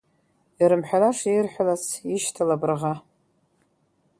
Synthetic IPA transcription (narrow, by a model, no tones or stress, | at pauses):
iɾɨmħʷᶣalaʂirħʷᶣalat͡sʰiʃtʰalabrʁa